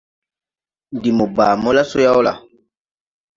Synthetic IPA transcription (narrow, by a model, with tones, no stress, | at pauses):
n˨di˨mo˨baː˨mɔ˦la˦so˦ja˦ɔ˦la̰˨